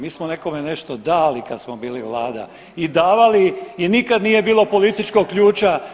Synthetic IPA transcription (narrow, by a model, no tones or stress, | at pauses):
miːsmone̞ko̞mene̞ʃt̪od̪aːlikad̪smobiːliʋlˠaːd̪a̰ | id̪aːʋaliinikad̪nije̞biːlo̞po̞lit̪it͡ʃkoɡ̚kʎuːt͡ʃa